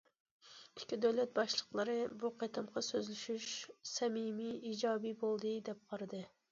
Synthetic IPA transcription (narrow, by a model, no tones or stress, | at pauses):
i̥kʲʰːid̪øwlɛt̪̚bɑʃlˠəqlˠɨɾɨbuqʰet̪ʰɑmqʰɑsøzlyʃyʃsɛmimiid͡ʒɑːbibolˠd̪ɨd̪ɛp̚qʰɑɾɨd̪ɨ